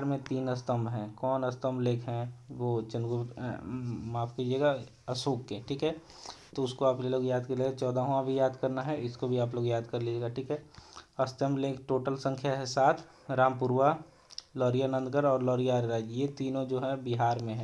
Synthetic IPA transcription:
ɾmẽt̪iːnɐst̪əmbɦɛ̃ːkɔːnɐst̪əmbleːkʰɦɛ̃ʋot͡ʃɐ̃nd̪ɡʊ | maːfkiːd͡ʒieːɡa | ɐsoːkːeʈʰiːkɦɛː | t̪oʊskoaːpleloːɡjaːd̪kɐɾleːɡt͡ʃɔːd̪aɦõãbʱijaːd̪kɐɾnaɦɛɪskobʱiaːploːɡjaːd̪kɐɾliːd͡ʒeːɡaʈʰiːkɦɛːɐst̪əmbleːkʰʈoːʈəlsə̃ŋkʰjaɦɛsaːt̪ʰ | ɾãːmpʊɾwa | lɔːɾijanə̃nd̪ɡəɾɔːɾlɔːɾijaɾɾaːd͡ʒjet̪iːnõd͡ʒoːɦɛbɪɦaːɾmẽɦɛ̃

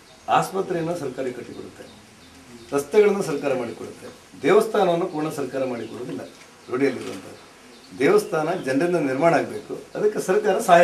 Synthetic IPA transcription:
aːspɐt̪ɾɛjɐnːusɐɾkaːɾikɐʈːikoɽut̪ːe̞ | ɾɐst̪jɐɡɐɭɐnːusɐɾkaːɾɐmaːɽikoɽut̪ːe̞ | d̪ɛːʋɐst̪ʰaːnɐʋɐnːukuːɾɳɐsɐɾkaːɾɐmaːɽikɔɽud̪ilːɐ̰ | ɾoɽijɐlːiɾuʋɐ̰nt̪ɐd̪e | d̪ɛːʋɐst̪ʰaːnɐd͡ʒɐnɖind̪ɐniɾmaːɳaːɡbe̞ːkuɐd̪ɐkːesɐɾkaːɾɐsaːɦ

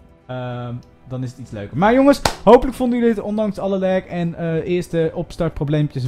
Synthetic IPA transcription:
ə | dɑnɪsətitslø̰ɥkəɹmaːɹjoŋəsɦowpələkfɔndəydɪtɔndɑŋsɑləlɛɹkɛnəʔɪːɹstəʔɔpstɑɹt̚prowblejmpjəs

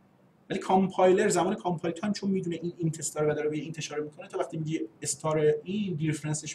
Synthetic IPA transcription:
vælikʰɑmpʰɒjleɾzæmɒːnekʰɑmpʰɒːjltʰhæmt͡ʃʰonmiːd̪uneʔiːnint̪ʰest̪ɒːɾevæd̪ɒːɾebejeiːnt̪ʰe̞ʃɒːɾemiːkʰo̞net̪ʰɒːvæχt̪iːmiɟiest̪ʰɒːɾeiːnd̪iɾfɾænseʃ

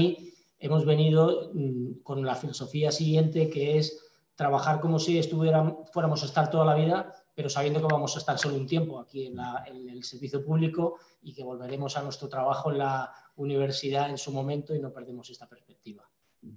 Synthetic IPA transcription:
i | e̞mo̞zβe̞niðo̞ | ko̞nlafilo̞so̞fiasiɣje̞nt̪e̞ke̞es | t̪ɾaβ̞axaɾko̞mo̞sie̞st̪uβjeɾafwe̞ɾamo̞sae̞st̪aɾt̪o̞ð̞alaβ̞ið̞ape̞ɾo̞saβje̞nd̪o̞keβamo̞saest̪aɾso̞lount̪je̞mpo̞akie̞nlaenelse̞ɾβiθjopuβliko̞ | ike̞βo̞lβ̞e̞ɾe̞mo̞sanwe̞st̪ɾo̞t̪ɾaβ̞axo̞enlauniβ̞e̞ɾsiðae̞nsumõ̞mẽ̞nt̪o̞ino̞pe̞ɾð̞emo̞se̞st̪ape̞ɾspe̞k̚t̪iβa

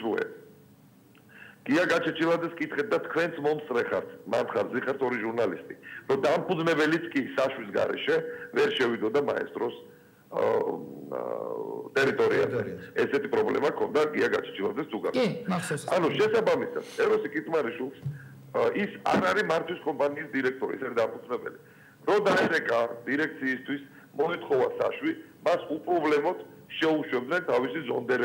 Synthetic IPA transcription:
sɾuɛ̰ | ɡ̥iaɡat͡ʃʰɛt͡ʃʰilˠad̪zɛskʼit̪ʰχɛt̪̚d̪at̪ʰkʰwɛnt̪sʰmɔmt̪sʼɾɛχa̰ɾt̪ʰma̰nt̪ʰχaɾziχaɾt̪ʰɔɾiʒuɾnalist̪ʼiɾɔd̪ampʰʼuznɛbɛlit̪sʰkʼisaʃwisɡa̰ɾɛ̰ʃɛvɛɾʃɛwid̪ɔd̪ama̰ɛ̰st̪ʼɾɔs | t̪ʼɛɾit̪ʼɔɾia̰zɛ̰ɛsɛt̪ʰipʼɾɔblɛ̰makʰɔnd̪aɡiaɡat͡ʃʰi̥t͡ʃʰilˠa̰zɛszuɡa̰ɾ | anuʃɛsabamisa̰d̪̥ɛɾɔsikʼit̪ʼmaɾiʃwilˠs | isa̰ɾaɾimaɾt̪ʰwiskʼɔmpʼaniːsd̪iɾɛk̚t̪ʼɔɾḭɛsaɾid̪apʰud̪zɾɛbɛ̰li | ɾɔd̪aɛɾɛkʼad̪̥iɾɛk̚t̪sʰiːst̪ʰwis | mɔit̪ʰχɔvasa̰ʃwi | masupʼɾɔblɛmɔd̪̥ | ʃɛuʃwɛb̚d̪nɛnt̪ʰavisizɔnd̪ɛɾ

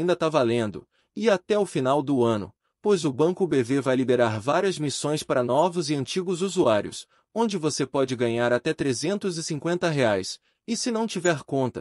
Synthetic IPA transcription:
ĩnd̪ɐt̪avalẽnd̪ʊ̰ | ɪat̪ɛʊfinawd̪ʊɐ̃nʊ̰ | pojzʊbɐ̃kʊbevevajlid̪eɾaɾvaɾiɐzmisõj̃spaɾɐnɔvʊzɪɐ̃nt͡ʃiɡʊzuzuaɾiʊ̰s | õnd͡ʒɪvosepɔd͡ʒɪɡɐ̃ɲaɾat̪ɛt̪ɾezẽnt̪ʊzɪsĩŋkwẽnt̪ɐɦeajs | ɪsɪnɐ̃w̃t͡ʃivɛɾkõnt̪ɐ

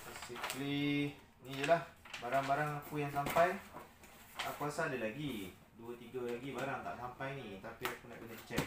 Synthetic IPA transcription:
basikli | nĩd͡ʒəlahbaɾaŋbaɾaŋakujaŋsampaj | akuasadəlaɡi | duat̪iɡalaɡibaɾaŋt̪a̰ʔsampajnĩt̪apiakuna̰ʔbənat͡ʃə̥t͡ʃɛʔ̚

